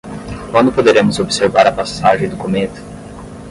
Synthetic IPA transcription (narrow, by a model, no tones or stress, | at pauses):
kwɐ̃nd̪ʊpod̪eɾẽmʊzobseɾvaɾɐpasaʒẽd̪okomẽt̪ʊ̥